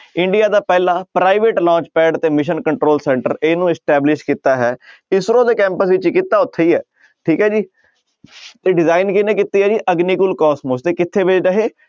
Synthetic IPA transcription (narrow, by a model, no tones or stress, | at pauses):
ɪ̃ɳɖɪjaːd̪aːpɛːlãːpɾaːɪʋeːʈlãːt͡ʃpɛːɖt̪eːmɪʃənkəɳʈɾoːlsɛ̃ːɳʈə̰ɾeːnũːɪsʈɛːblɪʃkiːt̪aːɦɛːɪsɾõːd̪eːkɛ̃ːmpəsʋɪt͡ʃikɪt̪aːʊt̪ʰːeiːɦɛː | ʈʰiːkɦɛːd͡ʒiː | t̪eːɖɪzaːɪnkɪnẽːkɪt̪ːiːɦɛːd͡ʒiːʔəɡniːkʊlkɔːsməst̪eːkɪt̪ʰːeːbɪt͡ʃɾəɦeː